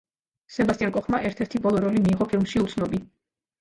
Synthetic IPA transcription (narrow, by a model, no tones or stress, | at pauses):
sɛbast̪ijaŋkʼɔχmaʔɛɾt̪ʰɛɾt̪ʰibɔlˠɔɾɔlimiːʁɔpʰilˠmʃiut̪sʰnɔbi